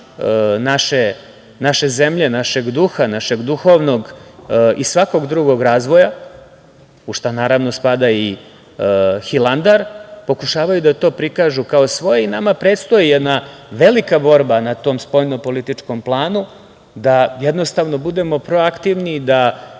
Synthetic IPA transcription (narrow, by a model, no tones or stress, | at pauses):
naʃe̞ | naʃe̞ze̞mʎenaʃe̞ɡd̪uxanaʃe̞ɡd̪uxo̞ʋnoɡ | isʋako̞ɡd̪ɾuɡo̞ɡɾaːzʋo̞ja | uʂt̪anaːɾaʋno̞spad̪ai | xilˠand̪aɾpo̞kuʃaːʋajud̪at̪o̞ːpɾikaːʒukao̞sʋo̞jeinamapɾe̞ːt̪st̪o̞jijɛd̪naʋe̞likabo̞ɾbanat̪o̞ːmspo̞jnopo̞lit̪it͡ʂko̞mplˠaːnu | d̪ajed̪no̞st̪aʋno̞bud̪e̞mo̞pɾo̞akt̪iʋnid̪a